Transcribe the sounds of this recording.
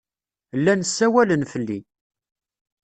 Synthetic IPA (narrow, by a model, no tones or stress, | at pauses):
lːænəsːæwælənfəlːḭ